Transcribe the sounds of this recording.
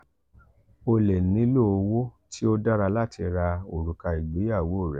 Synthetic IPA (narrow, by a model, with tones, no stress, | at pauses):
o˧lɛ˨nĩ˨˦lo˦o˧wo˦tʰi˦o˦da˦ɾa˧la˦tʰi˧ɾa˧o˨ɾu˨ka˧i˨ɡ͡be˨˦ja˦˨wo˨˦o˦˨ɾɛ˨˦